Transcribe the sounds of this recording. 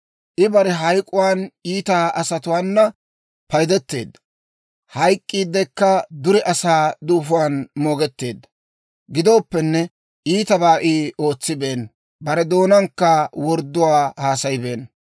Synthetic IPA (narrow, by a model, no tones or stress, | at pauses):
ʔɪbɐɾɛɦɐjkʼːʊwaːniːt̪aːʔɐsɐt̪ʊwaːnːɐ | pɐjd̪ɛt̪ːe̞̰ːd̪ːɐ | hɐjkʼːiːd̪ːɛkːɐd̪ʊɾɛʔɐsaːd̪uːfʊwaːnmo̞ːɡɛt̪ːe̞ːd̪ːɐ̥ | ɡɪd̪o̞ːpːɛnːɛ | iːt̪ɐbaːʔio̞ːt͡sːɪbe̞ːn | bɐɾɛd̪o̞ːnɐŋkːɐwɔɾd̪ːʊwaːhaːsɐjbe̞ːn